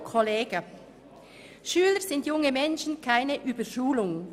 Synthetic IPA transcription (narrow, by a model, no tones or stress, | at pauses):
kʰɔleːɡə | ʃyːləɾz̥ɪntjʊŋəmɛnʃn̩kʰaɪnəʔyːbəʃuːlʊŋ